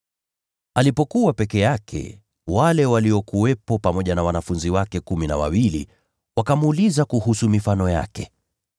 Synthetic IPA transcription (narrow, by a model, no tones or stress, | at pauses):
alipɔkuwapɛkɛjakʰɛ̰ | walɛwaliɔkuɛpɔpamɔʄanawanafunziwakɛkumina̰wa̰wilḭ | wakamːlizakuhusumifanɔja̰kɛ